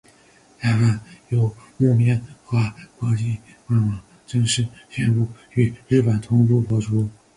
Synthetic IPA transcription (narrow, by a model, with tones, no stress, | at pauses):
ta˥˩a˥˩njo˨˩ʊ˥˩mjɛ˥nxwa˥kwɔ˧˥t͡ɕi˥˧ | wa˥˩nwɑ˧˩ŋ | ʈ͡ʂɤ˥˧ŋʂɻ̩˥˩ɕɥɛ˥˧npu˥˩ | y˨˩ɻɻ̩˥˩pə˨˩nt̪ʰʊ˥ŋpu˥˩pwɔ˥ʈ͡ʂʰu˥